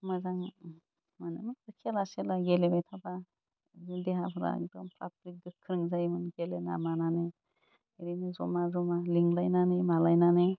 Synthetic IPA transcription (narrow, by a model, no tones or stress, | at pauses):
mazaŋ | manɯmikɯkʰelaselaɡelebajtʰaba | zideɦapʰɯɾa̰k̚dɔmpʰɾa̰tɾik̚ɡɯkʰːɾɯŋzajmɯnɡelena̰mananɯ | eɾinɯzɔmazɔmaliŋlajnanɯjmalajnanɯ